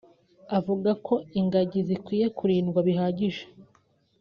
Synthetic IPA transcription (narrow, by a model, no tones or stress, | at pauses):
avuɡakʰo̞iŋɡaɟizikwiːje̞kuɾiːnɡwaβiɦaːɟiʒe̥